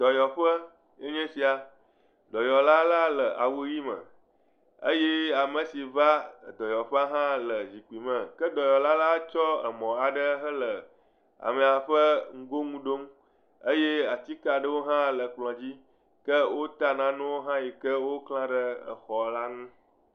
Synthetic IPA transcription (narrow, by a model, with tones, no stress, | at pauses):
d̪̥ɔ˨jɔ˨ɸə˦ | e˦ɲɛ̃˦si˨a˨ | d̪ɔ˨jɔ˨la˦la˦lə˨ʔa˨wu˦ji˦mə̰̃˨ | ə̰˦je˦a˨mə̃˨si˨va˦˨d̪ɔ˨jɔ˨ɸə˦a˦ɦã˦lə˨zi˨k͡pi˨mə̃˨kə˦d̪ɔ˨jɔ˨la˦la˦t͡ʃɔ˦ə̰˨mɔ̃˨a˨ɖə˦ɦə˦lə˨ | a̰˨mẽ˨a˨ɸə˦ŋ̩˦ɡo˦ŋũ˦ɖo˦m | ə˦je˦a˨t̪i˦ka˨ɖə˦wo˦ɦã˦lə˨k͡plɔ̃˨d͡ʑi˦ | kə˦wʔo˦t̪a˦nã˦nũ˦wo˦ɦã˦ji˨kə˦wo˦klã˦ɖə˦ə̰˨xɔ˨la˦ŋũ˦